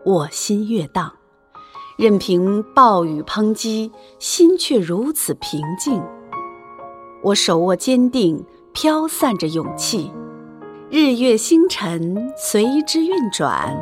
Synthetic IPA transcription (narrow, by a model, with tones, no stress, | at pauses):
wɔ˨˩ɕi˥nɥɛ˥˧t̪ɑ˥˩ŋ | ɻə˥˩npʰi˧˥ŋpɑ˥˩ʊy˨˩pʰɤ˥ŋt͡ɕi˥ɕi˥nt͡ɕʰɥɛ˥˩ɻu˧˥t͡sʰɹ̩˨˩pʰi˧˥ŋt͡ɕi˥˩ŋ | wʔɔ˧˥ʂo˨˩ʊwɔ˥˩t͡ɕjɛ˥nt̪i˥˩ŋ | pʰjɑ˥ʊsa˥˩nʈ͡ʂə˩jʊ˨˩ŋt͡ɕʰi˥˩ | ɻ̩˥˧jɥɛ˥˩ɕi˥ŋʈ͡ʂʰə˧˥nswe˧˥ɪ˧˥ʈ͡ʂɻ̩˥ɥɛ˥˩nʈ͡ʂwa̰˨˩˦n